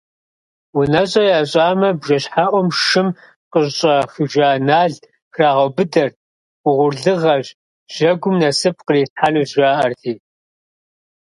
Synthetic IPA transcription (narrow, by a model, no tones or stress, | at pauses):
wʊnɐɕʼɐjaːɕʼaːmɐbʒɐɕħaʔʷɔmʃɨm | qəɕɕʼɐxɨʒaːnaːɮ | xraːʁɐbɨdɐr | ʊʁʷʊrɮɨʁɐɕ | ʒ̥ɐɡʷʊmnɐsɨp̚ʰqəriːsħanuʑaːʔɐrtʰiː